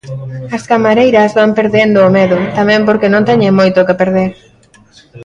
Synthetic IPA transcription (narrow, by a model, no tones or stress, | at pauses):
ɐskamaɾejɾɐzβampeɾðend̪ʊːmeðʊt̪amɛ̃mpoɾkenõnt̪ɛɲeŋmojt̪okepeɾðeɾ